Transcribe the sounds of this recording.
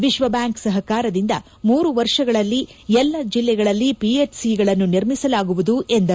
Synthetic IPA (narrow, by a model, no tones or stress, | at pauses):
ʋiʃʋɐbjaːŋksɐɦɐkaːɾɐd̪ind̪ɐ | muːɾuʋɐɾʂɐɡɐɭɐlːiɛlːɐd͡ʒilːɛɡɐɭɐlːipieʈsiɡɐɭɐnːuniɾmisɐlaːɡuʋud̪uʔe̞nd̪ɐ